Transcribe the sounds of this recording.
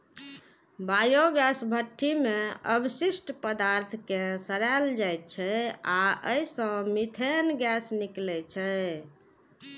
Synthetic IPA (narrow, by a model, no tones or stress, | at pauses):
bajoɡɛsbʱəʈʰːimeə̰bʱsisʈpəd̪aɾt̪ʰkesəɾald͡ʒajt̪̚t͡ʃʰɛaəisə̃mit̪ʰenɡɛsniklɛt͡ʃʰɛ